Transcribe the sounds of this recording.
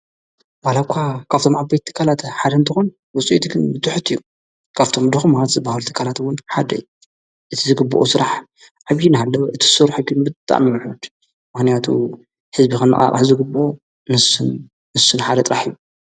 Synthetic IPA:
walakʷʰakʰaβt̪ʰo̞mabajt̪t̪ʰːɨ̥kʰːalat̪ħad̪ɐɨnt̪ʰɨxon | wɔt͡sʼiit̪kʰɨnbɨt̪ʰɨħɨt̪ʰːɨju | kʰaβt̪ʰo̞md̪ɨxumːalat̪zɐbːahɐlt̪ʰɨ̥kʰːalat̪wʊnħad̪ɐ̰j̰u | ʔɨt̪ʰizɨɡɨbːo̰ʔosɨɾaħ | ħaɡinɦalːɐβʔɨt̪ʰi̥sɨɾħɨɡinbɨt̪ʼa̰miwħud̪ | mɨxnijat̪ʰṵ | ħɨzbikɐnːɨ̰χʼa̰qʼa̰ħzɨɡɨbʔo | mɨsɨn | mɨsːɨnħad̪ɐt̪ʼɾaħijːu

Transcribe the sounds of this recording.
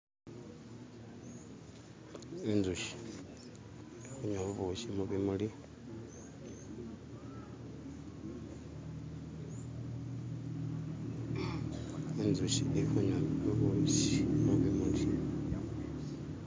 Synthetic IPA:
enzuʃi̥ | exuɲaβuβuʃimuβimuli | enzuʃiexuɲaβuβuʃimuβimuli

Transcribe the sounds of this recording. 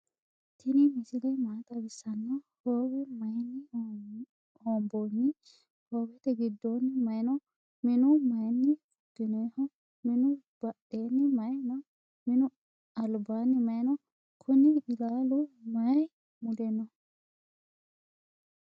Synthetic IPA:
t̪ʰɪnɪmɪsɪlɛmaːt̪ɐbɪsːɐnːɐhoːɡɛmɐjnːɪ | oːmboːnːɪ | hoːwɛt̪ɛɡɪd̪ːonːɪmɐjnɔ | mɪnʊmɐjnːɪ | ʊdɪnehɔ | mɪnʊ | b̥ɐɗeːnːɪmɐjnɔ | mɪnʊ | ɐlbaːnːɪmɐjnɔ | kʰʊnɪʔɪlaːlʊmɐj | mʊd̪ɛnːɔ

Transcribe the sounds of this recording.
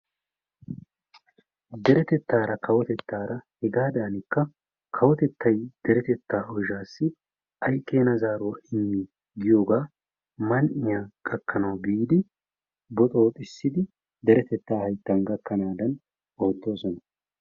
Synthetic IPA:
d̪ɛɾɛt̪ɛt̪ːaːɾɐkʰɐwɔt̪ɛt̪ːaːɾɐhɛɡaːd̪aːnɪkːɐ | kʰɐwɔt̪ɛt̪ːɐjd̪̥ɛɾɛt̪ɛt̪ːaːɔʒaːsːɪ | ʔɐjkʼːe̞ːnɐzaːɾʊwɐɪmːɪ | ɡɪjoːɡaː | mɐnʔɪjaɡʼɐkʰːɐnɐwbiːd̪ɪ | bɔt̪ʼo̞ːt̪ʼɪsːɪd̪ɪ | d̪ɛɾɛt̪ɛt̪ːaːhɐjt̪ːɐnɡɐkːɐnaːd̪ɐn | o̞ːd̪ːo̞ːsɔnɐ

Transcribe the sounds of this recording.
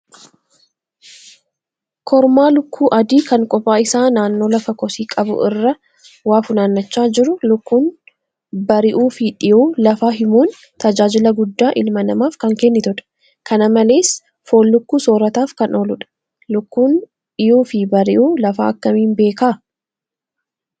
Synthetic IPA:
kʰɔɾmaːlʊkʰːuːʔɐd̪iːkɐŋkʼɔpaːɪsaːnaːnːo̞ːlɐfɐkɔsiːkʼɐbʊ̰ʔɪrːɐ | waːfʊnaːnːɐt͡ʃːaːd͡ʒɪɾʊlʊkːuːn | bɐɾɪʔuːfɪᶑɪjuːlɐfaːɦɪmuːn | t̪ɐd͡ʒaːd͡ʒɪlɐɡʊd̪ːaːʔɪlmɐnɐmaːfkɐŋkɛnːɪt̪ʊᶑɐ̥ | kɐnɐmɐle̞ːs | foːlːʊkːuːsoːɾɐt̪aːfkɐno̞ːlʊᶑɐ̥ | lʊkːuːn | ᶑɪjuːfɪbɐɾɪʔuːlɐfa̰ːɐkːɐmiːnbe̞ːkaː

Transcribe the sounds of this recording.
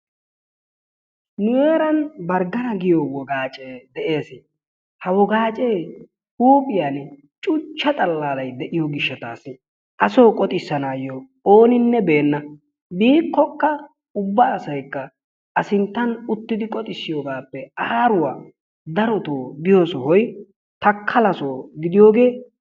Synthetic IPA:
nʊjeːɾɐnbɐɾɡɐnɐɡɪjowɔɡaːt͡ʃʼeːd̪ɛʔe̞ːsɪ | hɐwɔɡaːt͡ʃʼe̞ː | huːpʼɪjan | t͡ʃʼʊt͡ʃːɐt̪ʼɐlːaːlɐjd̪ɛʔɪjɔɡɪʃːɐt̪aːsɪ | ʔɐsoːkʼɔt̪ʼɪsːɐnaːjɔ | oːnɪnːɛbe̞ːnːɐ | biːkːɔkːɐ | ʊbːɐːsɐjkːɐ | ʔɐsɪnt̪ːɐnʊt̪ːɪd̪ɪkʼɔt̪ʼɪsːɪjoːɡaːpːɛɐɾʊwaː | d̪ɐɾɔt̪oːd̪ɪjosɔhɔj | t̪ɐkʰːɐlɐsoːɡɪd̪ɪjo̞ːɡe̞ː

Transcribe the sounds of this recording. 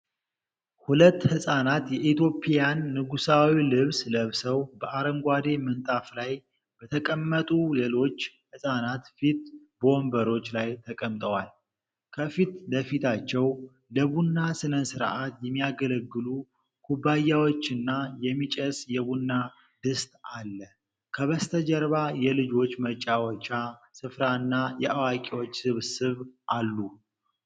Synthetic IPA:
hulət̪ːhɨsʼanat̪jɛʔit̪ʰjo̞pʰʼijanːɨɡusawilɨβsləβsəwbəʔaɾəmɡʷad̪e̞mənt̪ʼaflaj | b̥ət̪ʰəkʼəmːət̪ʼule̞lo̞t͡ʃːhɨsʼanat̪fit̪ | bombəɾo̞t͡ʃːlajt̪ʰəkʼəmt̪ʼəwal | kʰəfit̪ləfit̪ʰat͡ʃːɛw | ləβunːasɨnənsɨɾʔat̪jɛmːijaɡələɡːɨlu | kʰubajawot͡ʃːɨnːajɛmːit͡ʃʼəsjɛβunːa | d̪ɨst̪ʼalːə | kʰəβəst̪ʰəd͡ʒɛɾβajɛlɨd͡ʒo̞t͡ʃːmət͡ʃʼːawɔt͡ʃːasɨfɾaɨnːajɛʔawakʼiwo̞t͡ʃːsɨβsɨβʔalːu

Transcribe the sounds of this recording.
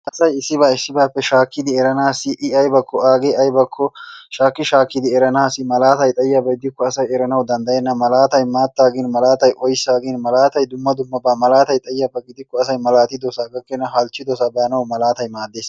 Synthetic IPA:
ʔɐsɐjɪsːɪbaɪsːɪbaːpːɛʃaːkːɪd̪ɪɛɾɐnaːsːɪʔɪɐjbɐkːɔaːɡeɐjbɐkʰːɔʃaːkːɪʃaːkːɪd̪ɪɛɾɐnaːsɪmɐlaːt̪ɐjt̪ʼɐjːɐbɐɡɪd̪ɪkːɔɐsɐjɛɾɐnɐwd̪ɐnd̪ɐjɛnːɐmɐlaːt̪ɐjmaːt̪ːaːɡɪnmɐlaːt̪ɐjʔɔjsaːɡɪnmɐlaːt̪ɐjd̪ʊmːɐd̪ʊmːɐbɐmɐlaːt̪ɐjt̪ʼɐjːɐbɐɡɪd̪ɪkːɔɐsɐjmɐlaːt̪ɪd̪ɔsaɡɐkːɛnːɐɦɐlt͡ʃːɪd̪ɔsɐbɐɐnɐwmɐlaːt̪ɐjmaːd̪ːeːs

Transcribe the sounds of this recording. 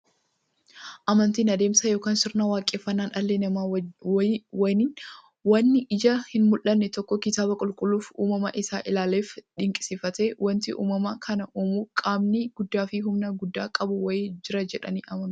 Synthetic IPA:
ʔɐmɐnt̪iːnɐd̪e̞ːmsɐjoːkaːnsɪɾnawaːkʼːeːfːɐnːaːnʔɐlːeːnɐma | wɐnɪn | wɐnːɪʔɪd͡ʒɐhɪnmʊlʔːɐnːɛt̪ɔkːɔkɪt̪aːbɐkʼʊlkʼʊluːfṵːmɐmɐ̰ʔɪsaːʔɪlaːleːfᶑɪŋkʼɪ̥sɪfɐt̪e̞ːwɐnt̪ɪʔṵːmɐmɐkʰɐnɐʔoːmukʼaːmnɪɡ̥ʊd̪ːaːfɪɦʊmnɐɡʊd̪ːaːkʼɐbʊwɐjed͡ʒɪɾɐd͡ʒɛᶑɐ̰niːʔɐmɐn

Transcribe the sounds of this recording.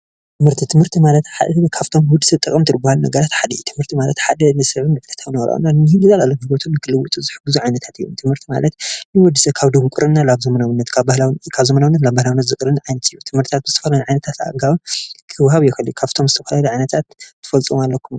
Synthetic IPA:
t̪ʰɨmhɨɾt̪ʰit̪ʰɨmhɨɾt̪ʰimalɐt̪ħad̪kʰaft̪ʰo̞mwɔd̪ːɨsɐt̪ʼɨkʼɨmt̪ʰɨɾɨbahalunɐ̰ɡɐɾat̪ħad̪ɐjut̪ʰɨmhɨɾt̪ʰimalɐ̰t̪ħad̪ɐnɨsɨʕinɨt̪ʼkʰɐt̪ʰawnɐɐɾɐ̰o̰nːanɨnɨhɨɡɨzalalːonhɡot̪ʰunːɨkʰɨlɨwut̪ʼuzɨħɨɡːuzuʕajnɐt̪ʰat̪ɨjːut̪ʰɨmhɨɾt̪ʰima̰lɐt̪nɨwɔd̪ːɨsɐkʰaβd̪oβukʼɨɾʔɨnːalaβzɐmɐnawnːɐt̪kʰabahlawkʰaβzɐmɐnawinːɐt̪labahlawinːɐt̪zɨkʼɨɾɨnʕajnɐt̪ɨjːut̪ʰɨmhɨɾt̪i̥t̪ʰat̪̚zɨt̪ʰɐfɐlajunʕajnɐt̪ʰat̪a̰ɡawkʰɨwhaβjɛxɨljukʰaft̪ʰo̞mzɨt̪ʰɐfɐlaluʕajnɐt̪ʰat̪ʰːɨ̥fɐlt͡sʼɨmalːɐkʰːum

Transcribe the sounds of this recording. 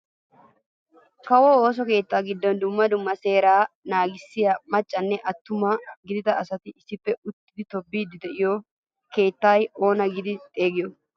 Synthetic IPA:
kɐwoːoːs̬ɔke̞ːt̪ːaːɡɪd̪ːɔnd̪ʊmːɐd̪ʊmːɐse̞ːɾaːnaːɡɪsːɪjɐmɐt͡ʃʼːɐnːɛʔɐt̪ːʊmɐɡɪd̪ɪt̪ɐɐsɐt̪ɪɪsɪpːɛʊt̪ːɪd̪ɪt̪ɔbːiːd̪ɪd̪ɛʔɪjɔ | ke̞ːt̪ːajo̞ːnɐɡɪd̪ɪt̪ʼe̞ːɡɪjɔ

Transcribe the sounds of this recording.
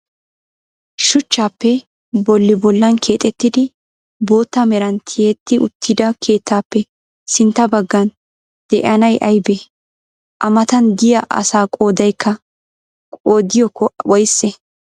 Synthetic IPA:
ʃʊt͡ʃːaːpːɛ | bɔlːɪbɔlːɐnkʰe̞ːt̪ʼɛt̪ːɪd̪ɪ | bo̞ːt̪ːɐmɛɾɐnt̪ʰɪjet̪ːɪʔʊ̰t̪ːɪd̪ɐkʰe̞ːt̪ːaːpːɛ | sɪnt̪ːɐbɐɡːɐn | d̪̥ɛʔɐnɐjʔɐjbɛ | ʔɐmɐt̪ɐnd̪ɪjɐʔɐ̰saːkʼo̞ːd̪ɐjkʰːɐ | kʼoːd̪ɪjɔkːɔwɔjsːɛ

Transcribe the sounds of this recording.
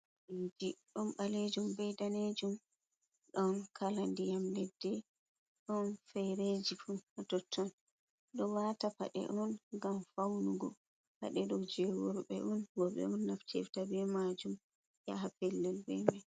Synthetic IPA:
ʔind͡ʒiɗɔnɓaled͡ʒumbɛjdaned͡ʒum | ɗɔnkʰalandijamlɛdːɛ | ɗɔnfɛɾed͡ʒifunatɔtʰːɔn | ɗɔwatapa̰ɗɛ̰ʔɔnɡamfawnuɡɔ | ha̰ɗɛɗɔd͡ʒɛwɔɾɓɛ̰ʔɔnwɔɓɛ̰ɔnːaftʰɛ̰ftabɛmad͡ʒum | ja̰ɦapɛlːɛlbɛ̰mɛ

